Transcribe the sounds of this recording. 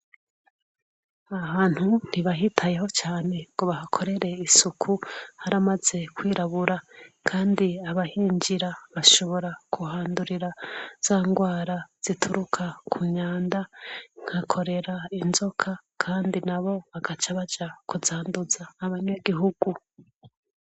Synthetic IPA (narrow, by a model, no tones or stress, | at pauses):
ahaːn̥hun̥iβaɦitʰaje̞ɦo̞t͡ʃaːne̞ŋɡoβahakʰo̞ɾe̞ɾe̞isukʰuhaɾamaz̥e̞kwiːɾaβuɾakʰaːndiaβahiːɲd͡ʒiɾaβaʃo̞βo̞ɾakʰuɦaːnduɾiɾaz̥aːŋɡwaːɾaz̥itʰuɾukʰakʰuɲaːndaŋ̥hakʰo̞ɾe̞ɾainzo̞kʰakʰaːndinaβo̞βaɡat͡ʃaβad͡ʒakuzaːnduzaːβaɲeɡiɦuɡ̥u